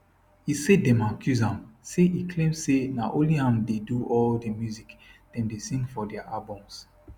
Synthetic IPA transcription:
hiseddɛ̃makʰjuzãmseikʰlẽmsenaʔoliãmdeduʔɔldəmjuzikd̥ɛ̃ndesĩŋfɔdɛaʔalbɔ̃ms

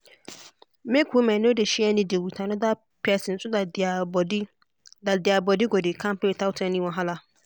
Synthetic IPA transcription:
mẽkumɛ̃nɪ̃odeɕiɛnɪ̃diewutʰãnʊ̃da | pʰɛsɪn̩sʊdabdɪ | dadɪabɔdɪɡɔdekʰãmpʰetʰawtʰɛ̃nĩwɔ̃ɦala

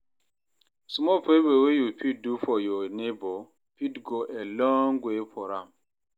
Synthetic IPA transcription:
smɔpebewejupʰit̚dufɔjɔnebɔ | pitɡoʔelɔŋɡʷepʰɔɾam̩

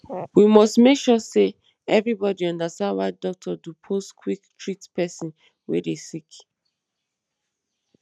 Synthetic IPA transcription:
wimɔstmekʃɔse | ɛvɹibɔdiɔ̃ndastãndwadɔk̚tʰɔdupʰoskʰwiktʰɹitpɛsĩn | wḛdesik

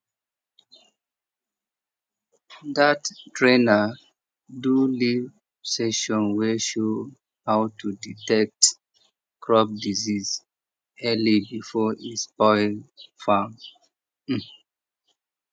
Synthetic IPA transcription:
dattɹẽnə | duliv | seʃɔ̃nweʃo | hawtʰuditɛk̚t | kʰɹɔp̚diziz | ɛlibifɔispɔɪlfam̩

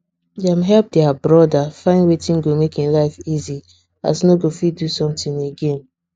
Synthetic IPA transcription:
dãmɦɛlp̚dɛabɹɔdafãɪ̃nwetĩnɡomekĩnlaɪfizi | a̰snoɡofidusɔ̃mtĩneɡẽn

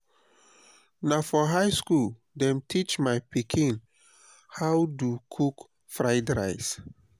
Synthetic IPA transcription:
nafɔɦajskul | dɛ̃mtʰit͡ʃmajpikʰĩn | hawdukʰuk | fɹaɪdɾa̰ɪs

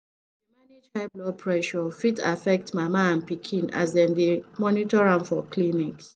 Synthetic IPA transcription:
dimaned͡ʒhaɪblɔpʰɹɛʃɔfitafɛk̚tmamaãnpikʰĩna̰zdɛ̃ndimɔnitɔɹãmfɔkliniks

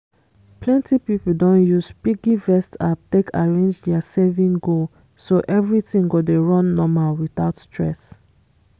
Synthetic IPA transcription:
plɛ̃ntipipul̩dɔ̃njuz̥piɡivɛstatekʰaɹẽnd͡ʒdɛasɛvĩŋɡol | soʔɛvɹitĩŋɡodeɹɔ̃nːɔmalwiθaʊtstɹɛ̰s

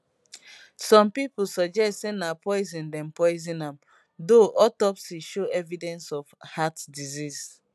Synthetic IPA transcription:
sɔ̃mpipulsɔd͡ʒɛstsenapɔɪzĩndɛ̃mpɔɪzĩnãm | doʔɔtɔpsiʃoɛvidɛ̃nsɔvhatdizis

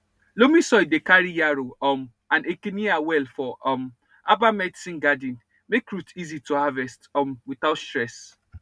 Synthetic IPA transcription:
lomĩsɔjdekaɹijaɾoɔm | ãnekeniawɛlfɔɔm | abamɛdisĩnɡadĩn | mekɹutizituhavɛstɔmwiθaʊtstɹɛs

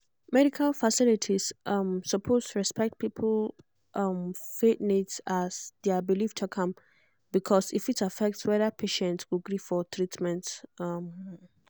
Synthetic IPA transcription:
mɛɾikʰalfasɪlitʰisʔʌmsəpʰostʰuɹɛspɛk̚t̚pʰipʰl̩ | ʔʌmfetnitsasdɛbiliftʰukʰʌ̃m | bikʰɔsifitafɛk̚tswɛðəpʰeʃɛ̃ntswiɡɹifɔt̪ʰɹitmɛ̃ntʌm

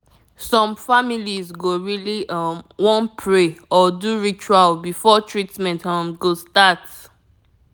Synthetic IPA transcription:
sɔ̃mfamilizɡoɹilimwɔ̃npʰɹeɔduɹit͡ʃualbifɔtʰɹitmɛ̃ntʌ̃mɡostat

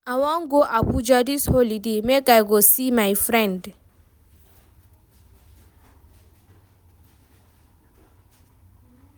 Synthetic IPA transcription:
awɔŋɡɔʔabud͡ʒadishɔlidemeɡajɡɔsimajfɾɛ̃nd

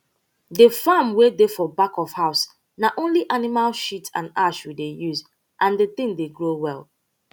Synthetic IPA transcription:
defamwedefɔbakɔfhaʊs | naʔõnliʔanimalʃitã̰naʃwidejuz | ʔãndet̪ɪ̃ŋdeɡɹowɛlˠ

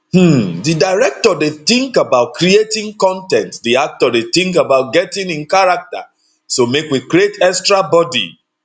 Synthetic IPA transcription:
didaɪɹɛk̚tɔdeθĩŋkabaʊt̚kʰɾietĩŋkɔ̃ntɛ̃ntdiak̚tɔdeθɪ̃ŋkabaʊt̚ɡɛtĩŋĩnkaɹak̚ta̰ | somekwikɾietɛkstɹabɔdḭ

